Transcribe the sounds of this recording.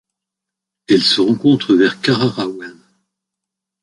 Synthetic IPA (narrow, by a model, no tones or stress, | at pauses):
ɛlsəʁɑ̃kɔ̃t̪χəvɛʁkaʁaʁawan